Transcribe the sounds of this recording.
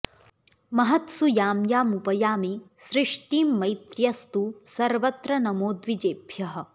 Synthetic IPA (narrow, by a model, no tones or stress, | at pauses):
mɐɦɐt̪sujaːmjaːmupɐjaːmi | ʃɾɪʂʈiːmːɐjt̪ɾjɐst̪usɐɾʋɐt̪ɾɐnɐmoːd̪ʋid͡ʒeːbʱjɐɦɐ̆